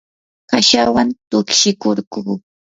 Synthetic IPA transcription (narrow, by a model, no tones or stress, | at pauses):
kaʃawant̪ʊkʃɪkoɾɢuː